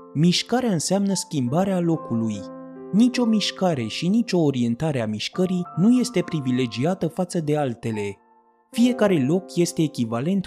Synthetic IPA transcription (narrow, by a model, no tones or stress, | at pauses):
miʃkaɾeaɨnseamnəskʲimbaɾealo̞kulujnit͡ʃʲo̞miʃkaɾe̞ʃinit͡ʃʲo̞ːɾie̞nt̪aɾeamiʃkəɾijnuje̞st̪e̞pɾivile̞d͡ʒiat̪əfat̪səd̪e̞alt̪e̞le̞ | fije̞kaɾe̞lo̞kje̞st̪e̞ːkʲivale̞nt̪